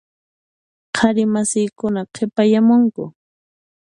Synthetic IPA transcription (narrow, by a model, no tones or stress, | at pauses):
qʰɑɾɪmasɪːkʊnaqʰepajamʊŋkʊ